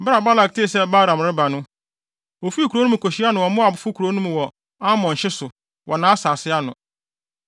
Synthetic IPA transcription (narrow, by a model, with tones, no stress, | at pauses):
bɾa˨ba˦la˨k̚tʰe˦˨sɛ˦ba˦ɾã˨mɾɪ˦ba˨nʊ̃˦ | o˨fi˦i˦kʰu˨ɾo˦nũ˦˨kʰo˨ɕi˦a˦nʊ̃˨wɔ˨mʊ̃˦a˨bʊ˨˦fʊ˦kʰu˨ɾo˨nũ˦m˨wɔ˨ | a˦mɔ̃˨ɲ̩˨ɕɪ˦sʊ˨ | wʔɔ˨nãː˨˦a˦saː˨sɪ˦a˦nʊ̃˨